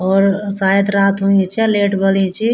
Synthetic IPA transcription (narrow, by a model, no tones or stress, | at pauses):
ɔːɾsajəd̪ɾat̪ɦuɛt͡ʃʰɛleʈbəlɛ̃t͡ʃʰi